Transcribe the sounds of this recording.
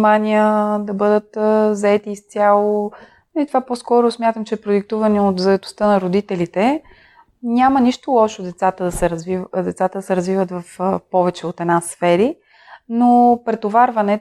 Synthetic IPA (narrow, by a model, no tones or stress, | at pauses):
manʲijəd̪ɐbɤd̪ət̪zɐɛt̪iːst̪ʲjalˠo | nlit̪ovaposkɔɾʊsmʲjat̪əmt͡ʃɛpɾod̪ik̚t̪uvəniot̪zɐɛt̪ʊ̥st̪ənɐɾod̪it̪ɛlit̪ɛ | nʲamɐniʃt̪ʊlˠɔʃod̪ɛt̪sat̪əd̪ɐsɛɾɐzvivd̪ɛt̪sat̪əd̪ɐsɛɾɐzvivət̪vɐfpɔvɛt͡ʃɛot̪ɛnasfɛɾi | nopɾɛt̪ovaɾvɐnɛ